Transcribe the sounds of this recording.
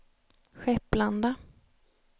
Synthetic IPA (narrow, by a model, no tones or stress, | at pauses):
ɧɛpːland̪a